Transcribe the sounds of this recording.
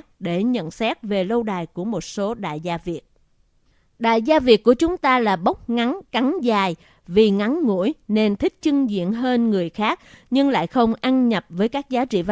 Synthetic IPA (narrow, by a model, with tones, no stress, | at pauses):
ɗe˧˩ɲə̰˧˨nsɛ˦˥t̚ve˨˩lə˧wɗaː˨˩jku˧˩əmo˨˩t̚so˨˦ɗa̰ː˧˨jzaː˧vi˨˩ət̚ | ɗa̰ː˧˨jzaː˧vi˨˩ət̚ku˧˩ət͡ɕʊ˨˦ŋ͡mt̪aː˧laː˨˩ɓə˦˥k͡p̚ŋa˨˦nka˨˦nzaː˨˩j | vi˨˩ŋa˨˦nŋṵ˧˥əjne˧nt̪ʰï˦˥k̚t͡ɕɨ˧ŋzḭ˧˨ənɦəː˧nŋɨ˨˩əjxaː˦˥k̚ɲɨ˧ŋla̰ː˧˨jxə˧wŋ͡mʔa˧nɲə˨˩p̚vəː˨˦jkaː˦˥k̚zaː˨˦t͡ɕḭ˧˨v